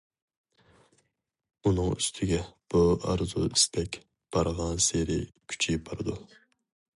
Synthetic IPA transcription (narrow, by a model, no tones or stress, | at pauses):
unɨŋyst̪ʰɪɡʲɛb̥uɑ̰ɾzṵist̪ʰɛkʲ | b̥ɑɾʁɑnseɾɪ̰kʲʰy̥t͡ʃʰibɑɾɨd̪u